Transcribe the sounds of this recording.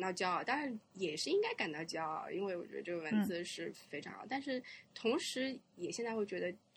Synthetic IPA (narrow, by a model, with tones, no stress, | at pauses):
nt̪ɑ˥˧ʊt͡ɕjɑ˥ʊ˨˩t̪ɑ˥ŋɻa˧˥njɛ˨˩ʂɻ̩˥˧i˥ŋka˥ɪka˨˩nt̪ɑ˥˧ʊt͡ɕjɑ˥ʊ̰˩ḭ˥nwe˥˩ɪwɔ˨˩t͡ɕɥɛ̰˧˥d̪ə̰˧ʈ͡ʂɤ˥˩ə˩wə˧˥nt͡sɹ̩˧˥ʂɻ̩˥˩fe˧˥ɪʈ͡ʂʰɑ̰˧˥ŋ̰˧t̪a˥˧nʂɻ̩˥˩t̪ʰʊ˧˥ŋʂɻ̩˧˥jɛ˨˩ɕjɛ˥˧nt͡sa˥˧ɪwe˥˩t͡ɕɥɛ˧˥d̪ə˧